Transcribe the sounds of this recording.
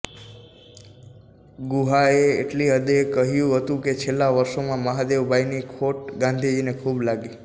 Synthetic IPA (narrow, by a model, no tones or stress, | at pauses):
ɡuɦaḛːʈliɦəd̪ekəɦjũɦət̪ũket͡ʃʰelːaʋəɾʃomãməɦad̪eʋbʱajnikʰoʈɡãnd̪ʱid͡ʒinekʰublaɡi